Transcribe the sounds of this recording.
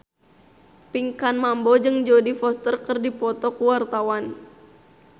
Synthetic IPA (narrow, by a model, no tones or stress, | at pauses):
piŋkanmambɔd͡ʒɨŋd͡ʒodifɔst̪ərkɨrdipɔt̪ɔkuwart̪awan